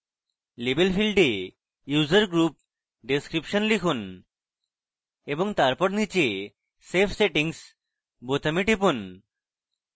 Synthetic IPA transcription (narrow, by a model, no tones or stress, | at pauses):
lebelfʰilɖe | juzəɾɡɾup̚ | ɖeskɾipʃɔnlikʰun | eboŋt̪aɾpɔɾnit͡ɕe | sepʰseʈiŋs | bot̪amiʈipun